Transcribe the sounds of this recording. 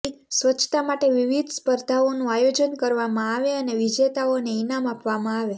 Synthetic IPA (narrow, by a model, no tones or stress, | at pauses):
sʋət͡ʃʰt̪amaʈeʋiʋid̪ʱspəɾd̪ʱaonũajod͡ʒənkəɾʋamãaʋeəneʋid͡ʒet̪aoneinamapʋamãaʋe